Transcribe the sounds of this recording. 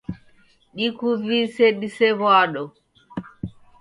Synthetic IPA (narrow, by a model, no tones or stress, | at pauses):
ɗikuviseɗisɛβaɗɔ